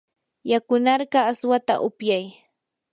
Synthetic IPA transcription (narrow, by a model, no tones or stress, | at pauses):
jakʊnɑɾɢɑːswat̪a̰ʔʊpjaj